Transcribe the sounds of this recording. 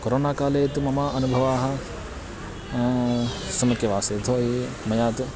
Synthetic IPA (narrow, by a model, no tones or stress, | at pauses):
koɾoːnaːkaːleːt̪umɐmaːɐnubʱɐʋaːɦɐ̆ | sɐmɐkjɐʋaːseːt̪ʰoːɦi | mɐjaːt̪u